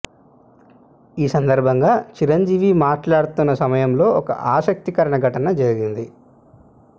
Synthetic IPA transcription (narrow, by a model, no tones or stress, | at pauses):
iːsɐnd̪ɐɾbʱɐŋɡaːt͡ʃiɾɐɲd͡ʒiːʋimaːʈlaːɽut̪unːɐsɐmɐjɐmlo̞ːɔkɐ̰ʔaːʃɐk̚t̪ikɐɾɐɳɐɡʱɐʈɐnɐd͡ʒɐɾiɡind̪i